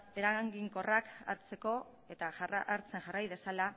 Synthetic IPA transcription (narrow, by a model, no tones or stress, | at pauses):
e̞ɾaŋɡiŋko̞raka̰ɾt͡se̞ko̞ | e̞t̪aaɾt͡se̞ŋʝarajð̞e̞sala